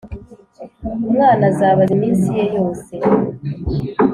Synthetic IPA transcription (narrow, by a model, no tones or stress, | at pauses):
umŋaːnazaːβaɾimiːnsijejo̞ːse̞